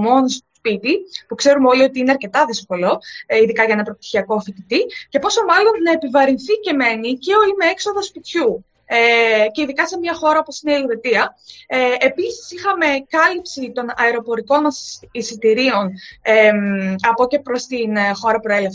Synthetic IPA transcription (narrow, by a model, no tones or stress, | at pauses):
mo̞nost̪o̥spit̪ipukse̞ɾumeo̞lio̞t̪iineɐɾce̞t̪ɐðisko̞lo̞iðikɐʝɐenɐpɾop̚t̪i̥çiɐko̞fit̪it̪ice̞po̞so̞mɐlo̞nnɐe̞pivɐɾinθice̞me̞niceo̞imeekso̞ðɐspit̪çu | eceiðikɐse̞mɲɐxo̞ɾɐoposineiekɾe̞t̪iɐeepisi̥sixɐme̞kɐlipsit̪o̞nɐeɾo̞po̞ɾiko̞nmɐsisit̪iɾio̞neɐpo̞ce̞pɾo̞st̪inxo̞ɾɐpɾoe̞lef